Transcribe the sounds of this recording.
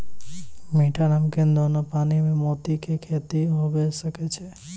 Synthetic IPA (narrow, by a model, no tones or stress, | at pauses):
miʈʰanamkẽnd̪onopaːnimẽmot̪ikʰekʰeːt̪iɦobesəket͡ʃʰe